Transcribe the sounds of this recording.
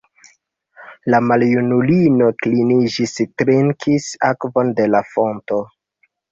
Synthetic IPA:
lamaljunulino̞klinid͡ʒistɾeŋkʰisa̰kvo̞nde̞lafo̞nto

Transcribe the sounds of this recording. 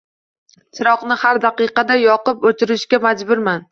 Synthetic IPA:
t͡ʃʰɪɾɒqnɪhaɾd̪aqɨqɑd̪ajɒqɨpot̪ʰɪɾɪʃkʲamad͡ʒbʊɾman

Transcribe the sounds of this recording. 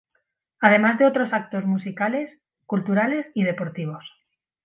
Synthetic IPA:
að̞e̞mazðe̞o̞t̪ɾo̞sak̚t̪o̞zmusikale̞s | kult̪uɾale̞sið̞e̞po̞ɾt̪iβ̞o̞s

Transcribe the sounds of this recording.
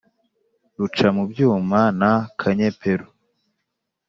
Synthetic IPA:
ɾut͡ʃamubjuːmanakʰaɲepʰe̞ɾu

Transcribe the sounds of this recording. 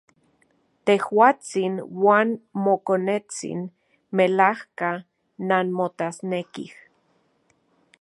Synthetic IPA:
t̪ehwaːt͡sinwaːnmokonet͡sḭn | melahka | nanmot̪asnekḭh

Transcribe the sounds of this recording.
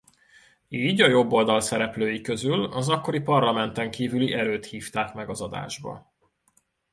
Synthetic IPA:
iːɟɒjo̞bːo̞ld̪ɒlsɛɾɛpløːjikø̞zylɒzɒkːo̞ɾipɒrlɒmɛnt̪ɛŋkiːvyliʔɛɾøːt̪hiːft̪aːkmɛɡɒzɒd̪a̰ːʒbɒ̰

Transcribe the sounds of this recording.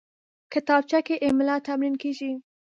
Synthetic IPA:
kət̪ɑb̚t͡ʃakeʔemɪlɑt̪amɾinkeʒi

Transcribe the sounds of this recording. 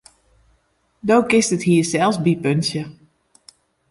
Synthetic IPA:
doːkɪstəthiːsɛlˠsbipønsjə

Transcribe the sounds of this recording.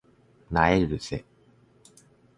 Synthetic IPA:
naeɾɯɾɯse

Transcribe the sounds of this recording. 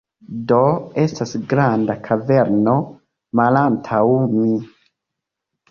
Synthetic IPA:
doe̞stasɡɾandakʰave̞ɾno̞ | malantʰawmi

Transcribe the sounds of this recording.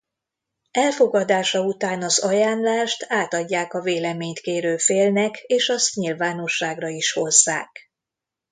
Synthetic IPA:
ɛlfo̞ɡɒd̪aːʃɒut̪aːnɒzɒjaːnlaːʃt̪ʰaːt̪ɒɟːaːkɒveːlɛmeːɲt̪keːɾøːfeːlnɛkeːʃɒst̪ɲilvaːno̞ʃːaːɡrɒiʃho̞zːa̰ːk

